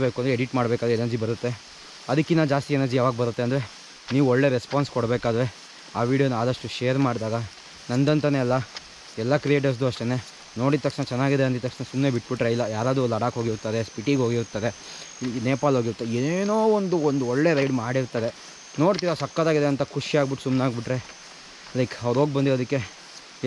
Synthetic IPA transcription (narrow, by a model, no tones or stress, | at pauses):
beːkuɐnd̪ɾeɽiʈmaːɽbekad̪ɾuɛnɐɾd͡ʒibɐɾut̪ːe̞ | ɐd̪ɐkːinad͡ʒaːst̪iɛnɐɾd͡ʒijaːʋaːɡɐbɐɾut̪ːe̞ɐnd̪ɐɾe̞ | niːʋuɔɭːe̞ɾespaːnskɔɽbeːkaːd̪ɐɾe̞ | aːʋiːɽijonːaːd̪ɐʂʈuʃeːɐɾmaːɖd̪aːɡɐ | nɐnd̪ɐnt̪ɐneːlːɐ | ɛlːɐkɾie̞ːʈ̬ɐɾs̬d̪uɐʂʈene̞ | no̞ːɽit̪ːɐkʂnɐt͡ʃɛnːaːɡid̪eɐnd̪it̪ːɐkʂnɐsumne̞ːbiʈːbiʈɾeilːɐjaːɾaːd̪ulːɐɽaːkɦo̞ːɡiɾt̪ːɐd̪espiʈiɡɦo̞ːɡiɾt̪ːɐd̪e̞ | neːpaːlɦoɡiɾut̪ːɐd̪enoːond̪uond̪uɔɭːe̞ɾɐjɖmaːɽiɾt̪ɐd̪e̞ | no̞ːɽt̪iːɾɐsɐkːɐd̪aːɡid̪eɐnt̪ɐkʰuʂiaːɡbiʈːu̥sumnaːɡbiʈɾe̞ | lɐjkɐʋɾɦo̞ːɡ̚bɐnd̪iɾod̪ikːe̞